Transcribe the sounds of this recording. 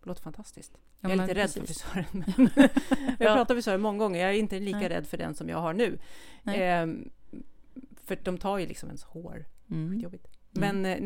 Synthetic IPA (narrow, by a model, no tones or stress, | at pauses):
loːt̪əfant̪ʰast̪ɪskt̪ | aæɾɪəɾɛd̪ːʰɾɔfɪsœːɾənmɛn | japːɾɑːt̪aɾvɪsœːɾənmɔŋːaɡɔŋːəɾjɑæɾɪnt̪əliːkaɾɛ̰d̪ːfœɖɛ̰nsɔmjɑ̰ːɡhaɳʉ̟ː | fœd̥̪ɔmt̪ʰɑːɾjɵlɪ̰ksɔmɛ̰nshoːɾɧiːt̪jɔbɪt̪mɛn